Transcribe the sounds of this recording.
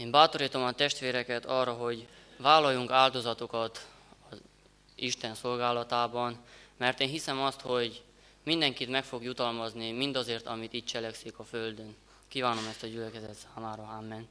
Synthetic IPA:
eːmbaːt̪o̞ɾiːt̪o̞mɒt̪ɛʃt̪ʋeːɾɛkɛt̪ɒrːɒɦo̞ɟvaːlːɒjuŋkaːld̪o̞zɒt̪okɒt̪ | ɒz | iʃt̪ɛnso̞lɡaːlɒt̪aːbɒnmɛrt̪eːnɦisɛmɒst̪ho̞ɟ | mind̪ɛŋkit̪mɛkfo̞ɡjut̪ɒlmɒznimind̪ɒzeːrt̪ɒmit̪iːt̪t͡ʃɛlɛksikɒføld̪ø̞n | kiːvaːno̞mɛst̪ɒɟylɛkɛzɛt̪saːmaːɾɒamːɛn

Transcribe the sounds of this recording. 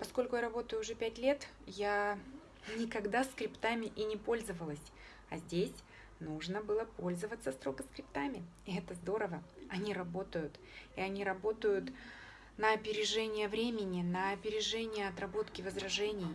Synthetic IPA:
pɐsko̞lʲkʊjaɾɐbo̞t̪əjʊːʐɛpʲætʲlʲe̞t̪ja | nʲɪkɐɡd̪askɾʲɪpt̪amʲɪʔinʲɪpo̞lʲzəvəlˠəsʲ | ɐzʲdʲesʲ | nuʐnəbɨlˠəpo̞lʲzəvət̪səst̪ɾo̞ɡəskɾʲɪpt̪amʲɪ | ɪɛt̪əzd̪o̞ɾəvəɐnʲiɾɐbo̞t̪əjʊt̪ | iɐnʲiɾɐbo̞t̪əjʊt̪ | nəɐpʲɪɾʲɪʐɛnʲɪjəvɾʲemʲɪnʲɪnəɐpʲɪɾʲɪʐɛnʲɪjəɐt̪rɐbo̞t̪kʲɪvəzrɐʐɛnʲɪj

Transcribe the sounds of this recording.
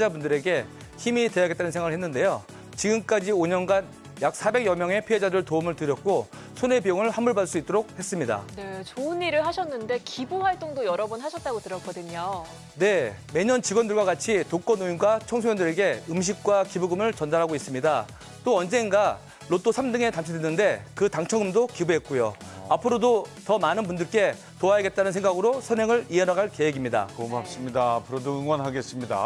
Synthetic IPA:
d͡ʑabundɯɾe̞ɡe̞ | çimite̞jaɡe̞t͈anɯnsʰeŋwaɾɭhɦenːɯnde̞jo | t͡ɕiɡɯmk͈ad͡ʑioɲʌnɡan | jak̚s͈ʰabe̞ɡjʌmjʌŋe̞pʰiɦe̞d͡ʑadɯɭtoumɯɭtɯɾjʌk̚k͈o | sʰone̞bijoŋɯɭɸamɯɭbads͈uit͈oɾok̚he̞s͈ɯmɲida̰ne̞t͡ɕoɯniɾɯɭɦaɕʰʌnːɯnde̞kibuhaɭt͈oŋdojʌɾʌbunɦaɕʰʌt̚t͈aɡotɯɾʌk͈ʰʌdɯɲo | ne̞me̞ɲʌnt͡ɕiɡwʌndɯɭɡwaɡat͡ɕʰitok͈ʌnoinɡwat͡ɕʰʌŋsʰoŋjʌndɯɾeɡe̞ɯmɕ̬ʰik̚k͈wakibuɡɯmɯɭt͡ɕʌndaɾɦaɡois͈ɯmɲida | t͈oʌnd͡ʑe̞ŋɡa | ɭot͈osʰamdɯŋe̞tamt͡ɕʰidenːɯnde̞kɯtaŋt͡ɕʰʌŋɯmdokibuɦe̞t̚k͈ojo | apʰɯɾodotʌmanɯnbundɯɭk͈e̞ | toajeɡe̞t̚t͈anɯns̬ʰe̞ŋɡaɡɯɾosʰʌnjeŋɯɭienaɡaɭke̞weɡimɲida̰komap̚s͈ɯmɲidaːpʰɯɾodoɯŋwʌnɦaɡe̞s͈ɯmɲida̰

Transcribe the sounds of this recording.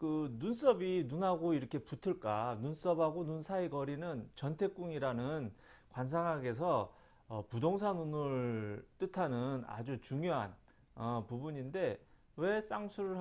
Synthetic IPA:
kɯnuns͈ʌbinunɦaɡoiɾʌkʰe̞putʰɯɭk͈anuns͈ʌbɦaɡonunsʰaiɡʌɾinɯnt͡ɕʌntʰe̞k͈̚uŋiɾanɯn | kwans̬ʰaŋɦaɡe̞s̬ʰʌː | pudoŋsʰanunɯɭɭt͈ɯtʰanɯna̰d͡ʑut͡ɕuŋjoɦan | ʌpubuɲinde̞ | we̞s͈aŋsʰuɾɯɭ

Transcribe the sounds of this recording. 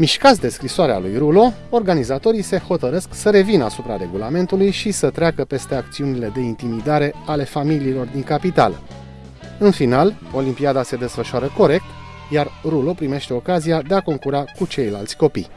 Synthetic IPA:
miʃkat̪sd̪e̞skɾisoaɾea̰lujrulo̞ | orɡanizat̪o̞ɾise̞ho̞t̪əɾe̞sksəɾe̞vinasupɾa̰ɾe̞ɡulame̞nt̪ulujʃisət̪ɾeakəpe̞st̪e̞ak̚t̪siunile̞d̪e̞int̪imid̪aɾe̞ale̞familiːlo̞rd̪iŋkapit̪a̰lə̰ | ɨnfinalo̞limpiad̪ase̞d̪e̞sfəʃuaɾəko̞ɾe̞k̚t̪ | jarrulo̞pɾime̞ʃt̪e̞o̞kazijad̪e̞ako̞ŋkuɾakut͡ʃe̞jla̰lt̪sʲko̞pḭj

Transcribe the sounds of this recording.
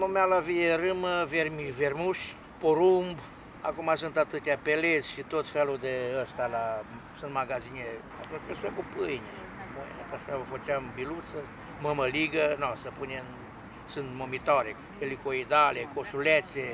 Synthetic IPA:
mumealavijerɨməvermivermuʃʲ | poɾumb | a̰kumasunt̪at̪ɨt̪japelesʲʃit̪ot̪felud̪eəst̪ala | sunt̪maɡazine | a̰t̪unt͡ʃpesuekupɨjne | moj̰net̪aʃavəfət͡ʃambilut̪sə | məməliɡənosəpunʲen | sɨnt̪momit̪aɾe | elikoid̪alekoʃulet̪se

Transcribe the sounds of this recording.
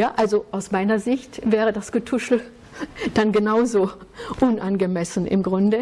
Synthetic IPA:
jaːʔalzoʔaʊsmaɪnɐzɪçtvɛːʁ̞ədasɡ̥ətʰʊʃl̩ | d̥anɡənaʊzoːʔʊnʔanɡəmɛsn̩ʔɪ̰mɡʁʊndə

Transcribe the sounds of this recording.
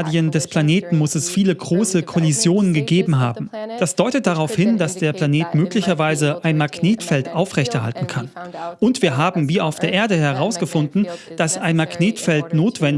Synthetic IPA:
diəndɛspl̥aneːtn̩mʊsɛsfiːləɡʁoːsəkʰɔlizjoːnənɡəɡeːbm̩ɦa̰ːbm̩d̥asd̥ɔʏtət̚d̥aʁaʊfhɪndasd̥eːɐpl̥aneːtmøːklɪçɐvaɪzəʔaɪnmakneːtfɛltʔaʊfʁɛçtɛɐɦa̰ltn̩kʰanʔʊntv̥iːɐɦaːbm̩viːʔaʊfd̥eːɐʔeːɐdəhɛʁaʊsɡ̥əfʊndn̩d̥asaɪnmakneːtfɛltnoːtv̥ɛn

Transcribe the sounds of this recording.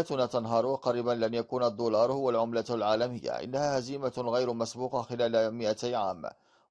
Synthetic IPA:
at̪ʊnaːt̪ɑnɦɑːɾˤwqɑɾiːbanlanjakuːnad̪ˤːuːlɑːɾˤhʊwalʕʊmlalʕaːlamɪjːa̰ʔɪ̰nːahaːhaziːmaɣajɾmasbuːqɑxɪlaːlmɪʔat̪aʕa̰ːm

